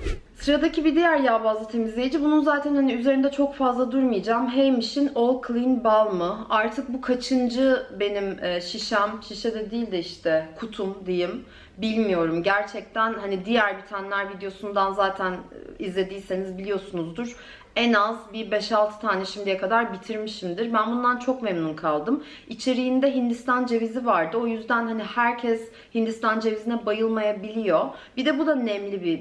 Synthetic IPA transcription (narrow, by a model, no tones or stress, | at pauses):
sɯɾad̪acʰibid̪ijæɾjaːbaːzˠat̪ʰe̞mizlʲe̞jid͡ʒibununzaːt̪ʰænhaniyzeɾind̪ɛt͡ʃʰo̞kfazlˠad̪uɾmɯjad͡ʒaːmɦejmiʃino̞lˠkʰlʲˠinbalˠmɯaɾt̪ʰɯk̚bukʰat͡ʃʰɯnd͡ʒɯbe̞nimːʃiʃæmʃiʃɛd̪ɛd̪iːlʲd̪ɪiʃt̪ʰɛkʰut̪ʰumd̪ijim | bilʲmijo̞ɾumɟæɾt͡ʃʰɛc̚t̪ʰænhanid̪ijæɾbit̪ʰanelʲæɾvid̪ejo̞sund̪anzaːt̪ʰænizlʲe̞d̪iːse̞nizbilʲijo̞sunuzd̪uɾ | ɛnazbibɛʃalˠt̪ʰɯ̥t̪ʰaːnɛʃimd̪ijɛkʰad̪aɾbit̪ʰiɾmiʃimd̪iɾbænbund̪ant͡ʃʰo̞kmemnunkʰalˠd̪ɯm | it͡ʃʰe̞ɾijind̪ɛɦind̪ist̪ʰand͡ʒe̞vizivaɾd̪ɯo̞jyzd̪ænhanihæɾcʰɛs | hind̪ist̪ʰand͡ʒe̞vizinɛbajɯlˠmajabilʲijo̞bid̪ɛbud̪aønɛmlʲibi